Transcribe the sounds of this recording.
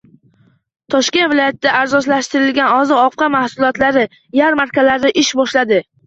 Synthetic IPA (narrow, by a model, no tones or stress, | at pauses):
t̪ʰɒʃkʲet̪vɪlɒjat̪̚ʰɪd̪aːɾzɒʃ̬laʃt̪ɪɾɪlɡʲanɒzɪɒp̚qʰɑmahsʊlˠɒt̪laɾɪ | jaɾmaɾkʲalaɾd̪ɪʔɪʃbɒʃlad̪ɪ